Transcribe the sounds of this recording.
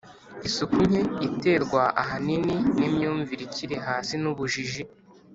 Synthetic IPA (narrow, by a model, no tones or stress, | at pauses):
isukuɲeite̞ːɾɡwaʔaɦanininimɲuːɱviɾiciɾe̞ɦaːsinuβuʒiʒi